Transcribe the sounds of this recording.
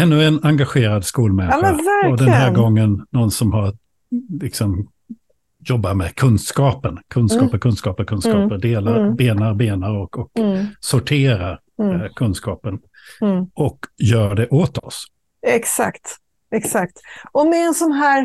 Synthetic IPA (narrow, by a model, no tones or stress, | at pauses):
ɛnːɵɛnaŋɡaɧeːɾad̪skuːlmɛnːɛvæɾɔd̪ɛnɦæːɾɡɔŋːənːɔnsɔmhaɾat̪ | lɪksɔm | jɔbːamɛkʰɵnskɑːpənkʰɵnskɑːpəɾkʰɵnskɑːpəɾkʰɵnskɑːpəɾd̪eːlaɾbeːnaɾbeːnaɾɔkɔksʊʈʰeːɾaɾ | kʰɵnskɑːpən | ɔkjœːɖɛʔot̪ɔ̰s | ɛksakt̪ | ɛksakt̪ɔmd̪ɪɛnsɔnɦæːɾ